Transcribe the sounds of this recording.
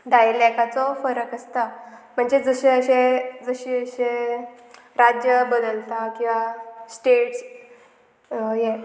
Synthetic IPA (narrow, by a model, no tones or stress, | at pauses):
ɖ̪ailɛkat͡sɔfəɾəkəst̪am̤əɳd͡zed͡zəɕeəɕed͡zəɕiːəɕe | ɾad͡ʑjəbəd̪əlt̪akĩw̃ʋasʈeʈs | je